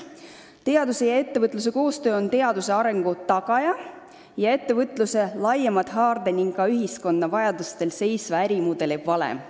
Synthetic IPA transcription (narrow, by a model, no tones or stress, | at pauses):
t̪e̞ɑd̪use̞jɑe̞t̪ːe̞vɤt̪ˑlus̬e̞ko̞ːst̪øːo̞nt̪e̞ɑd̪use̞ɑɾe̞ŋɡ̥ut̪ɑɡ̥ɑjɑ | jɑe̞t̪ːe̞vɤt̪ˑluse̞lɑjemɑd̪̥ɦɑːrd̪̥eniŋɡkɑyɦisko̞nd̪ɑvɑjɑd̪̥ust̪e̞lse̞jsvɑæɾimud̪̥e̞leb̥vɑlḛm